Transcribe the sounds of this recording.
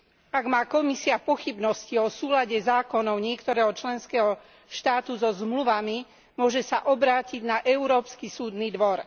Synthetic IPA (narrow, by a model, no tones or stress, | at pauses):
aɡmaːkɔmisiapɔxibnɔsciɔsuːlaɟɛzaːkɔnɔʊɲɪɛkt̪ɔɾɛːɦɔt͡ʃlɛnskɛːɦɔ | ʃt̪aːt̪uzɔzmluʋami | mʊɔʒɛsaʔɔbɾaːciɟnaʔɛʊɾɔːpskisuːd̪niːd̪ʋɔɾ